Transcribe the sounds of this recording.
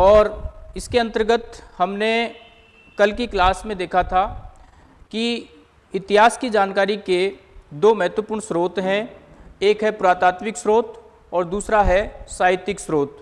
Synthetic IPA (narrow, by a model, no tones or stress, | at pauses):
ɔːɾɪskeɐ̃nt̪əɾɡət̪hɐmne | kɐlkiklaːsmẽd̪eːkʰat̪ʰa | ki | ɪt̪ɪɦaːskid͡ʒaːnkaːɾiked̪oːmɐɦɛt̪wəpʊːɾɳ̃sɾoːt̪ɦɛ̃eːkɦɛpʊɾaːt̪aːt̪mɪksɾoːt̪ | ɔːɾd̪uːsɾaɦɛsaːɦɪt̪ɪksɾoːt̪